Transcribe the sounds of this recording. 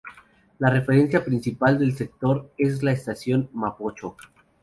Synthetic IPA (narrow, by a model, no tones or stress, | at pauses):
lare̞fe̞ɾe̞nsjapɾinsipald̪e̞lse̞k̚t̪o̞ɾe̞zlaest̪asjo̞nmapot͡ʃo̞